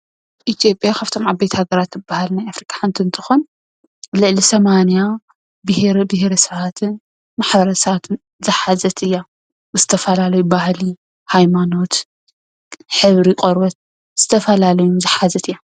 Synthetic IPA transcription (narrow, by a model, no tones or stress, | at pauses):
ʔit̪ʰijo̞pʼjakʰaft̪ʰo̞mʕabːejt̪ʰɐhaɡɐɾat̪zɨbːahalnajafɾikʼḁħɨnt̪ʰiɨnt̪ʰɨ̥xon | lɨʕlisɐmanija | bɨhɾbɨhɾɐsɐβat̪ʰɨn | maħbɐɾɐsɐβat̪ʰɨn | zɨħazɐt̪ʰɨjːa | zɨt̪ʰɐfɐlalɐjubahli | hajmano̞t̪ | ħɨβɾiqʼoɾbɐt̪̚ | z̥ɨt̪ʰɐfɐlalɐjuzɨħazɐt̪ʰɨjːa